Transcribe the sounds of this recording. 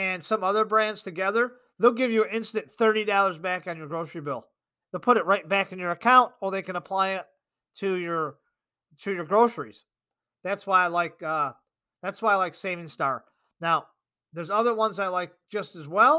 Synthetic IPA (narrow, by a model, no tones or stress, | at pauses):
ɨ̃nsʌ̃mʌðə˞bɹæ̃ndz̥tʰɨɡɛðə˞ | ðeɪlˠɡɪvjɨɨɪ̃nstɨ̃nθɜ˞ɾidɑlˠə˞zbækn̩jə˞ɡɹoʊsəɹibɪlˠ | ðeɪlˠpʰʊɾɨt̚ɹaɪt̚b̥ækɨ̃n̩jə˞ɨkʰãʊ̃ntə˞ðeɪkɨ̃nəpʰl̥aɪɪtʰ | ɨjə˞ | ɾʰɨjə˞ɡɹoʊsə˞ḭz̥ | ðætswaɪlaɪk̚ʌ | ðætswaɪlaɪkseɪvɪ̃ŋstɑɹ | naʊ | ðə˞zʌðə˞wʌ̃nzaɪlaɪk̚d̥ʒ̥ʌstɨzwɛlˠ